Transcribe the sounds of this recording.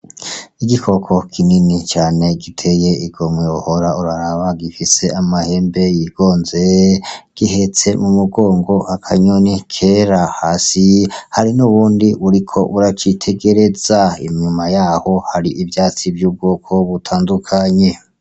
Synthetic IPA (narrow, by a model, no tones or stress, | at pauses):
iɡikʰo̞kʰo̞kʰininit͡ʃaːne̞ɡitʰe̞je̞iɡ̥o̞mweuhoɾauɾaɾaβaɡifise̞amahe̞ːmbe̞jiɡ̥o̞ːnzeɡ̥ihe̞t͡se̞mumuɡoːŋɡo̞ʔakʰaɲonikʰeɾahaːsihaɾinuβuːndiuɾikʰo̞ʔuɾat͡ʃitʰe̞ɡe̞ɾe̞z̥aḭɲɲumajaːho̞haɾiʔivjaːt͡sivjuːb̚ɡoːkʰo̞βutʰaːndukʰaɲe̞